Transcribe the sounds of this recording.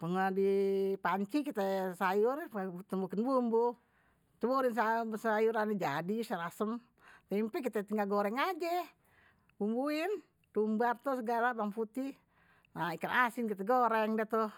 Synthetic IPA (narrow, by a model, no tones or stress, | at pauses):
pəŋadipaɲt͡ʃikit̪ɛsajʊrt̪umbukɪnbumbu | t̪ɛbuɾinsasajuɾanid͡ʒadisaɾasəm | t̪ɛimpɛk̬it̪ɛt̪iŋaɡoɾɛŋad͡ʒɛ | bumbuin | t̪umbat̪usəɡalabaŋput̪i | naikanasinkit̪ɛɡoɾɛŋdɛt̪u